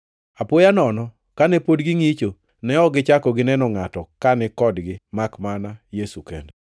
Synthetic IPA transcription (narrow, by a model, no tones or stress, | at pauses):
apʊjanɔnɔ | kanɛpodɡɪŋit͡ʃo | nɛɔɡɪt͡ʃakɔɡɪnɛnɔŋatɔkanɛkɔdɡɪmakmanajesukɛ̰nɛ